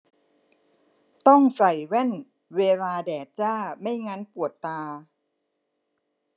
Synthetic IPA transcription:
t̪ɔ˥˩ŋsa˨˩jwɛ˥˩n | weː˧laː˧dɛː˨˩t̪̚t͡ɕaː˥˩ma˥˩jŋa˦˥npu˨˩ət̪ːaː˧

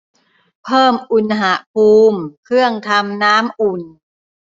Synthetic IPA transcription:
pʰɤː˥˩mʔu˧nɦa˩˦pʰuː˧mkʰɾɯ˥˩əŋt̪ʰa˧mnaː˦˥mʔu˨˩n

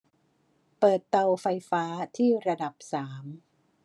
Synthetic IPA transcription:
pɤː˨˩t̪ːa˧wfa˧jfaː˦˥t̪ʰiː˥˩ɾa˧da˨˩p̚saː˩˦m

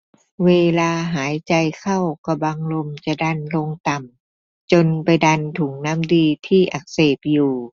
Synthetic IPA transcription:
weː˧laː˧ɦaː˩˦jt͡ɕa˧jkʰa˥˩wka˧˩baː˧ŋlo˧mt͡ɕa˧˩da˧nlo˧ŋt̪a˨˩m | t͡ɕo˧npa˧jda˧nt̪ʰu˨˩˦ŋna˦˥˨mdiː˧t̪ʰiː˥˩ʔa˧˩k̚seː˧˩p̚juː˨˩

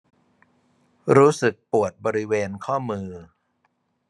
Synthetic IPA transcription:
ɾuː˦˥sɯ˨˩k̚pu˨˩ət̪̚bɔː˧ɾi˦˥weː˧nkʰɔː˥˩mɯː˧

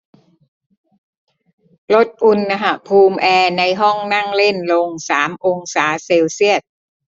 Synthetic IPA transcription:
lo˦˥t̪̚ʔu˧nːa˧ɦa˨˩pʰuː˧mʔɛː˧na˧jɦɔ˥˩ŋna˥˩ŋle˥˩nlo˧ŋsaː˩˦mʔo˧ŋsaː˩˦seː˧wsi˥˩ət̪̚

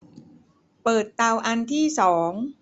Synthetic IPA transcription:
pɤː˨˩t̪ːa˧wʔa˧nt̪ʰiː˥˩sɔː˩˦ŋ

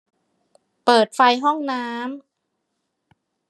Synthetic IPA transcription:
pɤː˨˩t̪̚fa˧jɦɔ˥˩ŋnaː˦˥m

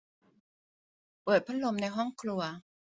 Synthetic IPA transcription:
pɤː˨˩t̪̚pʰa˥lo˧mna˧jɦɔ˥˩ŋkʰlu˧ɐ

